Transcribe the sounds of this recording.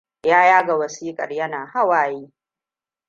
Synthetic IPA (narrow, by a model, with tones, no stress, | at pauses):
jaː˦jaː˦ɡa˨wɐ˨siː˦kʼɐ̰˨rjɐ˦naː˨ha˦waː˨jiː˦